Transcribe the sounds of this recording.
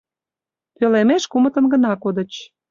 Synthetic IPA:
pølemeʃkumə̆t̪ə̆nɡə̆nɑkod̪ə̆t͡ɕ

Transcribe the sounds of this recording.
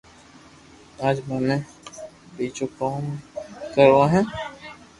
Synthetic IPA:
aːd͡ʒmɛnẽ | biːt͡ʃokaːmkəɾʋãɦɛ̃ː

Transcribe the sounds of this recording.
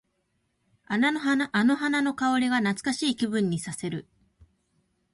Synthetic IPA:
ano̞ɦanano̞kaoɾʲiɡanat͡sɨ̥kaɕiːkʲibɯ̟̃ɲ̟ːisase̞ɾɯ̟

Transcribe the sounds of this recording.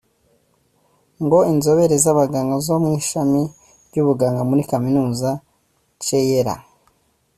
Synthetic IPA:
ŋɡo̞inzo̞βe̞ɾezaβaɡaːŋɡazo̞mŋiːʃami | bɟuβuɡaːŋɡamuɾikaminuːza | t͡ʃejeɾa̰

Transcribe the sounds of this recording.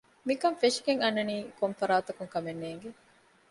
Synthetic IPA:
mikɐmfeʂi̥ɡeŋɐnːɐniːkomfɐɾaːt̪ɐkuŋkɐmenːeːŋɡe

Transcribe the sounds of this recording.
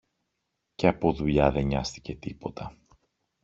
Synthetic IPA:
ce̞ɐpo̞ðuʎɐðe̞ɲɐst̪i̥ce̞t̪ipo̞t̪ʰɐ

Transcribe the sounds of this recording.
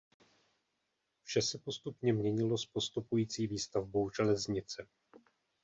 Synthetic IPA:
fʃɛsɛpo̞st̪upɲɛmɲɛɲɪlo̞spo̞st̪upujiːt͡siːviːst̪avbo̞wʒɛlɛzɲɪt͡sɛ

